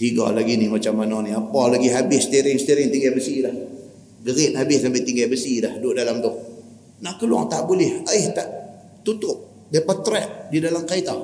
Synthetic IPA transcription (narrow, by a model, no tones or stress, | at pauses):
t̪iɡɔ̰laɡinɪhmat͡ʃamːanɔniapɔlaɡiɦabɪsst̪iɾɪŋsət̪iɾɪŋt̪iŋɡɛbəsilah | ɡəɾɪt̪̚habɪssampat̪iŋɡɛbəsilahdʊʔdalamt̪ʊh | naʔkəlua̰ŋt̪aʔbulɪhaɪht̪aʔ | t̪ut̪ʊp̚ | dapat̪ɾɛʔ̚didalamkait̪a